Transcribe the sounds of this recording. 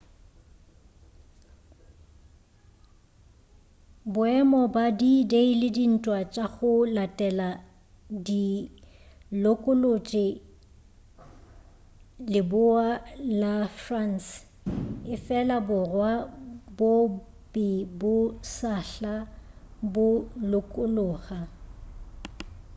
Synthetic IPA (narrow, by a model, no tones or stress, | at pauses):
bʊɛmɔbadideilɪdin̩tʼwat͡ʃʼaɣʊlatʼɛla | di | lokʼʊlot͡ʃʼɪ | lɪbʊalafran̩s | ɪfɛlabʊrwabo | pʼɪbʊsaɬa | bʊlʊkʼʊloːɣa